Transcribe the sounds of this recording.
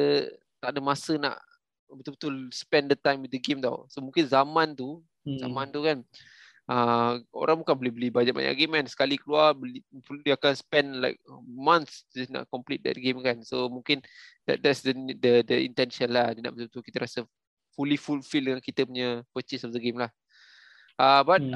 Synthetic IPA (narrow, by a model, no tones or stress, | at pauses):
ə | t̪aʔdəmasəna̰ʔ | bət̪ulbət̪ulspɛ̃ndət̪ãjmwɪθ̚dəɡemt̪a̰wsomũŋkɪnzamãnt̪u | za̰mãnt̪ukan | ʔəʔo̰ɾʔãŋbukanbolihbəlibad͡ʒaʔba̰ɲa̰ʔɡemkansə̥kalikəluarbəlipdiakanspɛnla̰ɪk̚mãnt̪sd͡ʒasna̰ʔkɔmplit̪̚dɛ̰t̚ɡemkansomũŋkɪndɛt̚dɛtsdəndədəḭnt̪ɛnʃənlahdina̰ʔbət̪ulbət̪ukit̪əɾasə | fulifulfildəŋankit̪əpuɲəpət͡ʃisɔfdəɡemlah | ʔəbat̚